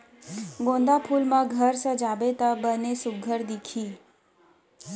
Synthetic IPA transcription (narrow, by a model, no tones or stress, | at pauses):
ɡõnd̪apʰulmãɡʱəɾsəd͡ʒabet̪abənesʊɡʱəɾd̪ikʰi